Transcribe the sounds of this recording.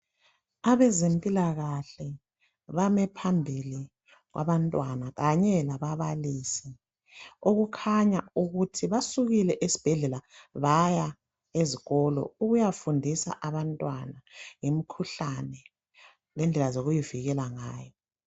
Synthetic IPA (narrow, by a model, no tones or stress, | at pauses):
aβɛzempʼilaɣaɬɛ | βamɛpʰambʱili | ɣwʔa̰βantʼwanaɣaɲɛlaβaβalisi | oɣukʰaɲauɣutʰiβasuɣilɛʔesi̥b̥ʱɛɮɛlaβaja | eziɣɔlɔ̰uɣujafundʱisa̰ʔaβantʼwanaŋimikʰuɬanɛ | lɛnd͡ɮʱɛlazoɣujiviɣɛlaŋaːjɔ